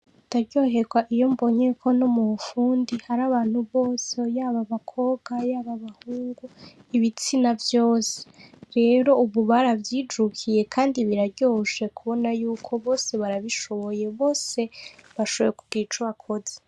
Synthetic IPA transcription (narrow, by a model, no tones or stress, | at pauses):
utaɾɟo̞ːɦe̞ɡwaʔijo̞mbo̞ɲekʰo̞nomufuːndihaɾaβaːn̥huβo̞ːsejaːβaβakʰo̞ɡ̥ajaːβaβahuːŋɡuiβit͡sinavjo̞ːse̥ɾe̞ɾo̞uβuβaɾavjiːd͡ʒukʰije̞kʰaːndiβiɾaɾɟo̞ʃe̞kuβo̞najuːkʰo̞βo̞ːse̞βaɾaβiʃo̞βo̞je̞βo̞ːse̞βaʃoβo̞jekuɡiːt͡ʃuβakʰo̞ze̥